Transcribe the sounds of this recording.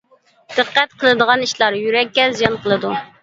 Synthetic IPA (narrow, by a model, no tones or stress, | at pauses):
d̪̥ɨqːæt̪̚qʰəlˠɨd̪əʁɑniʃlˠɑɾjyɾɛkʲːɛzijɑnqʰəlˠɨd̪u